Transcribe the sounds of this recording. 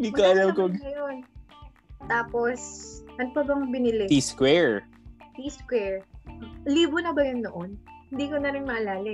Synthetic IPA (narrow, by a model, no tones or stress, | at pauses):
dikaɐɾɐlkoɐjon | t̪aːpo̞sʔɐnpɐbɐŋbɪnɪlɪiskwɛɹ | t̪iskwɛɹ | liːbonɐbɐjʊnːoʔonhɪnd̪iːkonɐɾɪnmɐʔɐlaːlɪ